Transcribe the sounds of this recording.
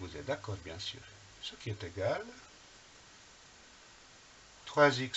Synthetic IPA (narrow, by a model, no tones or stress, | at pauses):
vuzɛt̪̚d̪akɔːʁbjɛ̃sy̰ːʁ | səkʲiɛt̪eɡal | t̪χwazik